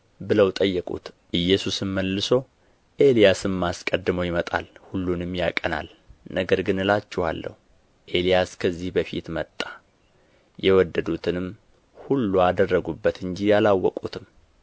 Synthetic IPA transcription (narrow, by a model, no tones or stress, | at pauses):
bɨləwt̪ʼəjːɛkʼṵt̪ | ʔɨjːɛsusɨmməlːɨso̞ | ʔe̞lijasɨmːaskʼəd̪ːɨməwjɪmət̪ʼa̰lhulːunɨmjakʼəna̰l | nəɡəɾɡɨnɨlat͡ʃːɛha̰lːə̰hu | ʔe̞lijaskʰəzːihbəfḭt̪mət̪ʼːa | jɛwɔd̪ːəd̪ut̪ʰɨnɨm | hulːuad̪ərːəɡubːət̪ʰɨɲd͡ʒijalawːɔkʼut̪ʰɨm